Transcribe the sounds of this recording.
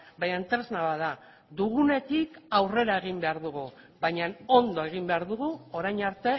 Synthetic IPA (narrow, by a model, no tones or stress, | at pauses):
bajant̪ɾeznaβaða | d̪uɣune̞t̪ikawre̞ɾae̞ɣ̞imbe̞aɾðuɣu | βajɲano̞nd̪o̞e̞ɣ̞imbe̞aɾðuɣ̞uo̞ɾajɲaɾt̪e̞